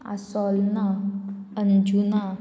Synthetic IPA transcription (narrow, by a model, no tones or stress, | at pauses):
ʔa̰sɔlnaənd͡ʒuna